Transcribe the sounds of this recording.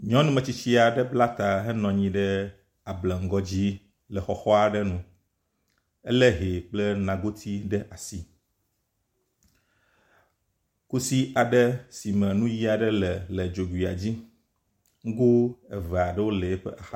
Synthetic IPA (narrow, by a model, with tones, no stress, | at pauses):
ɲɔ̃˦nũ˦mɛ̃˨t͡ɕi˦t͡ɕi˦a˨ɖɛ˦bla˦t̪a˨ɦɛ˦nɔ̃˨ɲĩ˦ɖɛ˦ | a˨blɛ˨ŋ̩˦ɡɔ˦d͡ʑi˦ | lɛ˨xɔ˨xɔ˦a˨ɖɛ˦nũ˦ | ɛ̰˦lɛ˦ɦe˨k͡plɛ˦nã˨ɡo˦t̪ʰi˦ɖɛ˦ʔa˨si˨ | ku˦si˦a˨ɖɛ˦si˨mɛ̃˨nũ˦ji˦a˨ɖɛ˦lɛ˨lɛ˨d͡ʒo˨ɡwi˨a̰˨d͡ʑi˦ | ŋ̩˦ɡu˦ɛ˨vɛ˨a˨ɖɛ˦wo˦le˨e˦ɸɛ̰˦ʔa˨xa˦